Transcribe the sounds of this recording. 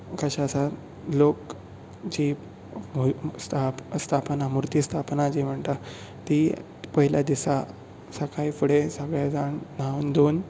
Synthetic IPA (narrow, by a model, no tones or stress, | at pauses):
kəɕasa | lok | d͡ʑi | st̪ʰast̪ʰapnamuɾt̪ist̪ʰapnad͡ʑim̤əɳt̪a | t̪i | pəɦiljad̪isa | səkaifuɽesəɡɭjad͡zaɳnawnd̪on